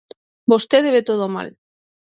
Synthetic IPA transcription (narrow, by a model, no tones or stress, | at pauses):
bost̪eðeβet̪oð̞oma̰l